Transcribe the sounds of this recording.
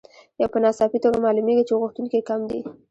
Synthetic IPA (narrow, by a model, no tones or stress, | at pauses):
jawpənɑsɑfit̪oɡamɑlumeɡit͡ʃeɣuxt̪unkekamd̪ḭ